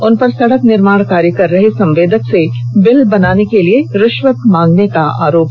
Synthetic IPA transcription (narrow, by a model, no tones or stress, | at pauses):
ʊnpɐɾsɐɽəknɪɾmaːɽ̃kaːɾjikɐɾːɐɦesɐ̃mʋeːd̪ʱəksebɪlbɐnaːnekelieɾɪʃʋək̪mãːŋɡnekaa̰ːɾoːp